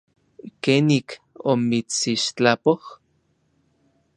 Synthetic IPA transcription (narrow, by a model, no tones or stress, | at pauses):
keːnik | omit͡siʃt͡ɬapoh